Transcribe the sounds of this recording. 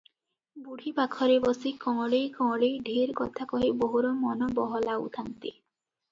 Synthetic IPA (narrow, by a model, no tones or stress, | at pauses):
buɽ̤ʱibakʰɔɾebɔsikɔ̃ŋɔɭejkɔ̃ŋɔɽejɖʱiɾkɔt̪ʰakɔɦiboɦuɾɔmɔnɔbɔɦɔlaṵt̪ʰant̪i